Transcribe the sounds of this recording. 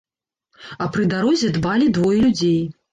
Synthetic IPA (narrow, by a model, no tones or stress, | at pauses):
ɐpɾɨd̪aɾɔzʲɛd̪balʲid̪vɔjɛlʲud͡zʲej